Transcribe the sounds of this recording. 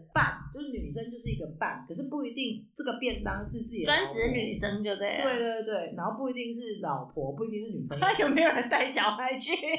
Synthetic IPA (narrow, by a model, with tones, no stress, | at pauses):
pa˥˩nt͡ɕjo˥˧ʂɻ̩˥˩ny˨˩ʂ̬ə˥ŋt͡ɕjo˥˧ʊʂ̬ɻ̩˥˩i˧˥ɡə˧pa̰˥˩nkʰə˨˩ʂ̬ɻ̩˥˧pu˥˩i˧˥t̪i˥˧ŋʈ͡ʂɤ˥˩ɡə˩pjɛ˥˩nt̪ɑ˥ŋʂɻ̩˥˧t͡sɹ̩˥˩t͡ɕi˨˩˨wa˥nt͡sɻ̩˨˩˧ny˧˩ny˨˩ʂə˥ŋ˥˧t̪we˥˩e˥˧ɪt̪wt̪we˥˩ɪna˧˥nxo˥˧ʊpu˥˩i˧˥t̪i˥˧ŋʂ̬ɻ̩˥˩lɑ˨˩ʊpʰwɔ˧˦pu˥˩i˧t̪i˥˧ŋʂɻ̩˥˩ny˨˩pa˥˩njo˨˩ʊme˧˥jo˨˩ɻə˧˦nt̪a˥˩ɪɕjɑ˨˩ʊxa˧˥˦ɪt͡ɕʰy˥˩